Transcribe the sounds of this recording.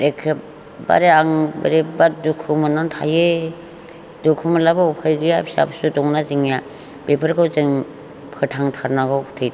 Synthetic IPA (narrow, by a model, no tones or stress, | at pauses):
ɾekʰep | ba̰ɾeaŋba̰ɾebadukʰɯmɯnantʰa̰je | dukʰɯmalabaupʰajɡɯjapʰi̥sa̰psudɔŋnaziŋja | b̥epʰaɾkawzɯŋ | pʰɯtʰaŋtʰaɾnaɡawkʰtʰɯj